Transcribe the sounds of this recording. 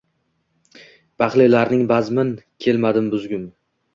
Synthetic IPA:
b̥aχlɪlaɾnɪŋbazmɪnkʲʰe̞lmad̪ɪmbʊzɡʲʊm

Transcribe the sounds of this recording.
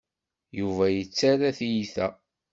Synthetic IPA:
juvæjət͡sːaɾaθijiθæ

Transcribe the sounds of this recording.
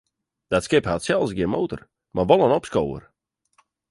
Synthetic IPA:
d̥atskɪphatsɛlˠsɡiənmowtə̰r | mʔaʋɔlˠənɔpskowə̰r

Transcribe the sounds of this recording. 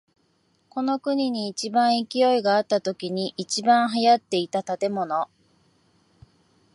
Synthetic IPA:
ko̞no̞kɯ̟ɲ̟iɲ̟iːt͡ɕibãɰ̃ikʲijo̞iɡaːt̪ːat̪o̞kʲiɲ̟iʔːt͡ɕibãɰ̃ɦajat̪ːe̞it̪at̪at̪e̞mo̞no̞

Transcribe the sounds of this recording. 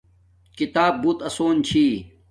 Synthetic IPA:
kit̪aːb̚buːt̪ɐsoːnt͡ɕʰiː

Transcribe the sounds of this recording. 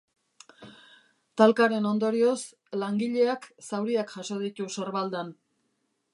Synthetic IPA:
t̪alkaɾe̞no̞nd̪o̞ɾio̞s | laŋɡiʎe̞aksawɾiakʝaso̞ð̞it̪usoɾβald̪an

